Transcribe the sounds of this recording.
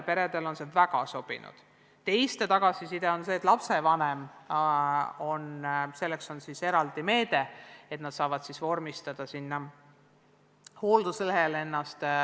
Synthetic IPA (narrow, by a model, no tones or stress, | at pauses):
pe̞ɾe̞d̪̥e̞lo̞nsevæɡ̥ɑso̞b̥ḭnṵd̪̥ | t̪e̞jst̪et̪ɑɡ̥ɑsisid̪eo̞nse̞ːt̪lɑpse̞vɑnem | o̞nse̞lːekso̞nsise̞ɾɑld̪̥ime̞ːd̪̥e̞e̞t̪nɑt̪sɑːvɑd̪̥sisvo̞rmist̪ɑd̪̥ɑsinːɑ | hoːld̪̥usleɦe̞le̞nːɑst̪